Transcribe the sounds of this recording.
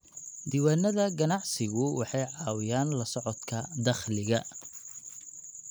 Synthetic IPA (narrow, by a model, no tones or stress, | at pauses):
d̪iːwaːnɐðɐɡɐnɑʕsɪɣʊwɑħɑjʕɑːwɪjaːnlɐsɔʕɔd̪kʰɐd̪ɐχlɪɣɐ